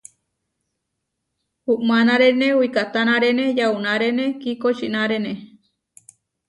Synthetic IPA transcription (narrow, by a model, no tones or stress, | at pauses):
huʔmanaɾenẽwikat̪anãɾenejaunaɾenekikot͡ʃinaɾene